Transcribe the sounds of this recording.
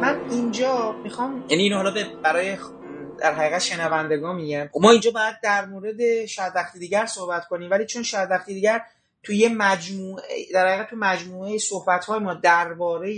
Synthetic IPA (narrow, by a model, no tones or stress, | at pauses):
mænind͡ʒɒːmixɒːmjæniːnoɦɒlɒːbebæɾɒːje | d̪æɾɦæɣiːɣæt̪ʃe̞nævænd̪e̞ɡɒːnmiːɟænomɒːind͡ʒɒːbɒːjæd̪̚d̪ːæɾmoːɾe̞d̪e̞ʃæd̪væxt̪ʰid̪iːɟæɾsohbæt̪kʰo̞niːmvæliːt͡ʃʰo̞nʃæd̪væxt̪id̪iːɟæɾ | t̪ʰujemæd͡ʒmuːed̪æɾhæɣiɣæt̪t̪ʰːumæd͡ʒmuːejesohbæt̪hɒːjemɒːd̪æɾbɒːɾej